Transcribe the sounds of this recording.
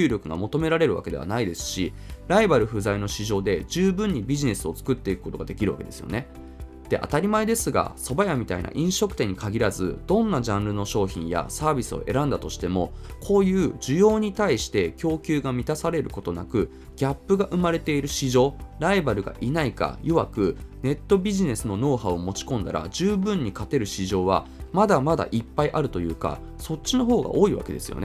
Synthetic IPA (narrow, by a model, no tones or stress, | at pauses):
ɨːɾʲo̞kɯ̟ɡa̰mo̞t̪o̞me̞ɾaɾe̞ɾɯ̟βa̰ke̞d̪e̞a̰naid̪e̞sɨ̥ɕi | ɾaibaɾɯ̟ɸɯ̟zaino̞ɕiʑo̞ːd̪e̞d͡ʑɨːbɯ̟̃ɲ̟ːibʲiʑine̞sɨo̞t͡sɨ̥kɯ̟t̪ːeikɯ̥ko̞t̪o̞ɡad̪e̞kʲiɾɯ̟βa̰ke̞d̪e̞sɨjo̞̰ne | d̪̥e̞ʔa̰t̪aɾʲimaed̪e̞sɨɡa̰so̞bajamʲit̪a̰ḭnʔa̰ʔĩɰ̃ɕo̞kɯ̥t̪e̞ɲ̟ːikaɡʲiɾazɨ̰d̪̥õ̞nːaʑãnɾɯ̟no̞ɕo̞ːçĩɰ̃ja̰saːbʲisɨo̞̰ʔe̞̰ɾãnd̪at̪o̞ɕi̥t̪e̞mo̞kʰo̞ːjɯ̟ːd͡ʑɨjo̞ːɲ̟it̪aiɕi̥t̪e̞kʲo̞ːkʲɨːɡamʲit̪asaɾe̞ɾɯ̟ko̞t̪o̞na̰kɯ̟ | ɡʲapːɯ̟ɡaʔɯ̟maɾe̞t̪e̞iɾɯ̟ɕiʑo̞ːɾaibaɾɯ̟ɡa̰ʔinaika̰joβakɯ̟ne̞t̪ːo̞bʲiʑine̞sɨno̞no̞ːɦao̞mo̞t͡ɕi̥kõ̞nd̪a̰ɾa̰d͡ʑɨːbɯ̟̃ɲ̟ːikat̪e̞ɾɯ̟ɕiʑo̞ːβa̰mad̪amad̪a̰ʔipːaiʔaɾɯ̟t̪o̞jɯ̟̰ːka̰ | so̞tɕino̞ɦo̞ːɡa̰ʔo̞ːiβa̰ke̞d̪e̞sɨjo̰ne